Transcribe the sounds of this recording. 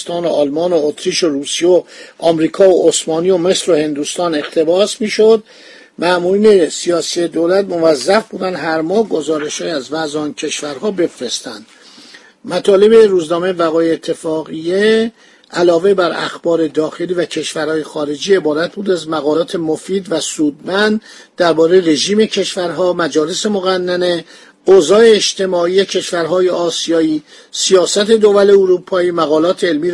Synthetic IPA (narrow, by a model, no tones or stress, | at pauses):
st̪ɒːnoɒːlmɒːnoot̪ʰɾiʃoɾuːsijeoʔɒːmɾiːkʰɒːoosmɒːnijo̞me̞sɾo̞he̞nd̪uːst̪ɒːne̞xt̪ʰe̞bɒːsmiːʃo̞d̪ | mæmuːɾiːne̞sijɒːsied̪olæt̪̚mo̞væzːæfb̥uːd̪ænd̪hæɾmɒːhɡo̞zɒːɾe̞ʃhɒːjiæzvæzɒncʰe̞ʃvæɾɦɒːbe̞fɾe̞st̪ænd̪̥ | mæt̪ʰɒːle̞beruːznɒːme̞væɣɒːjeːt̪ʰːe̞fɒːɣije | ʔælɒːve̞bæɾæ̰xbɒːɾe̞d̪ɒːxe̞liːvæcʰe̞ʃvæɾhɒːje̞xɒːɾe̞d͡ʒiːe̞bɒːɾæt̪̚ʰbuːd̪æzmæɣɒːlɒːt̪ʰe̞mofiːd̪væsuːd̪̚mænd̪ | d̪æɾbɒːɾejeɾe̞ʒiːme̞cʰe̞ʃvæɾɦɒːmæd͡ʒɒːle̞se̞moɣænːæne̞ | ozɒːeːʃt̪ʰe̞mɒːiːecʰe̞ʃvæɾɦɒːje̞ɒːsijɒːiː | sijɒːsæt̪ʰe̞d̪ovæle̞oɾupʰɒːiːmæɣɒːlɒːt̪ʰeːlmiː